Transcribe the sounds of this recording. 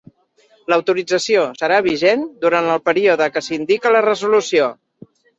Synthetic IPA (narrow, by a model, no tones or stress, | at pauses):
ləwt̪uɾid͡zəsiosəɾaβ̞iʒend̪uɾant̪əlˠpəɾioðəkəsind̪ikələrəzulusio